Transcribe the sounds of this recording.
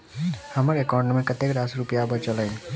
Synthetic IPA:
həməɾekɔːɾɳɖmẽkət̪ekɾasɾupijabət͡ʃələn

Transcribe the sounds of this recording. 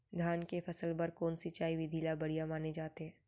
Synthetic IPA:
d̪ʱaːnkefɐsəlbɐɾkoːnsɪt͡ʃaːiʋɪd̪ʱiːlabɐɽ̤ijamaːned͡ʒaːt̪eɦɛ̃ː

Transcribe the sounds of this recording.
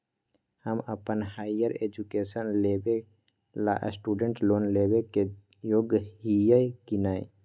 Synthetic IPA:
həməpənɦaːɪjəɾeːd͡ʒukeːsənleːbe | la̰ʔsʈuːɖəɳʈloːnlebeke | joːɡəɦijəjkinaːẽ

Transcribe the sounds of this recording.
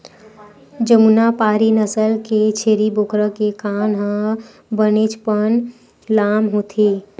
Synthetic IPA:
d͡ʒəmunapaːɾinəsəlket͡ʃʰeːɾibokɾəkekaːnɦə̃ | bənet͡ʃpən | laːmɦot̪ʰi

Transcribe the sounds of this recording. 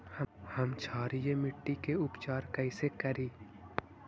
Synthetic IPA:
həhɐmt͡ʃʰaːɾijemɪʈːikeʊpt͡ʃaːɾkɐɪsekɐɾiː

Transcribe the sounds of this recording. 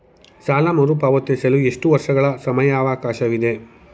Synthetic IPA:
saːlamɐɾupaːʋot̪ːesɐlue̞ʂʈuʋɐɾʂɐɡɐɭɐsɐmɐjaːʋaːkaːʃɐʋid̪e̞

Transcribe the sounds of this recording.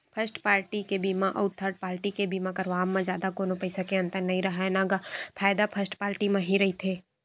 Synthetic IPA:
pʰəsʈpaːɾʈikebiːmaʔɔ̰ʊɾt̪ʰːəɾɖ̚paːɾʈikebiːmãkɐɾʋaːmːẽd͡ʒjaːd̪akoːnopɐɪsakeɐ̃nt̪əɾnːɐɦĩɾɐɦaɦɛnãːɡapʰaːjd̪apʰəsʈpaːɾʈimɐ̃ɦiɾɐɦit̪ʰeː

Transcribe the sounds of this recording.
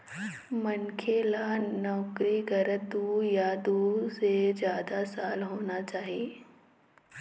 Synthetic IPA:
mɐnkʰeːlanɔːkɾiɡɐɾəd̪uːjad̪uːsezjaːd̪asaːlɦoːnat͡ʃaːɦijeː

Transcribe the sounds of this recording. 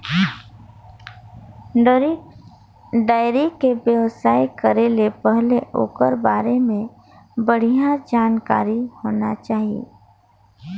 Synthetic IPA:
ɖɾ | ɖaːɪɾikebjəʋsaːjkəɾelepəɦleʔo̰ːkəɾbaːɾemẽ | bəɽ̤ijad͡ʒaːnka̰ːɾihoːnat͡ʃaːɦiḛ

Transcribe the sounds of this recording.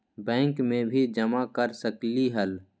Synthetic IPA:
bɛ̃ːŋkmẽbʱid͡ʒəmakəɾsəkliɦəl

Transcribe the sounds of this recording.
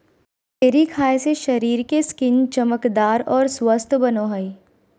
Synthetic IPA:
t̪eːɾikʰaːjseʃɐɾiːɾkeskɪnt͡ʃɐməkd̪aːɾɔːɾswəst̪ʰbɐnoɦəi

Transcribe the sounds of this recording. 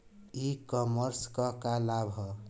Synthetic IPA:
ikɔməɾskʌkalabʱʌ

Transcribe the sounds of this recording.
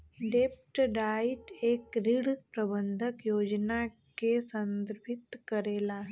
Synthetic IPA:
ɖeːp̚ʈɖaːɪʈeːkɾɪɽpɾɐbə̃nd̪ʱəkjoːd͡ʒna | kesə̃nd̪ɾbʱɪt̪kəɾeːlaːɦɛ

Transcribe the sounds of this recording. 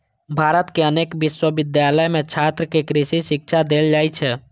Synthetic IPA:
bʱaːɾət̪keəneːkʋɪʃwəʋɪd̪jaːləjmẽt͡ʃʰaːt̪ɾəkekɾɪʃiʃɪkʃʰad̪eːld͡ʒaːit͡ʃʰɛ

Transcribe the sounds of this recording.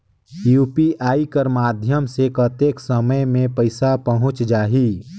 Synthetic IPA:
juːpiʔaːikəɾmaːd̪ʱjəmsekət̪eːksəməjmẽpəɪsapəɦʊ̃t͡ʃd͡ʒaːɦiː

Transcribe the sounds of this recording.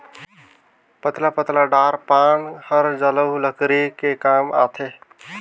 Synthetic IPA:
pət̪lapət̪laɖaɾpanhəɾd͡ʒələləkɾikekama̰t̪ʰe

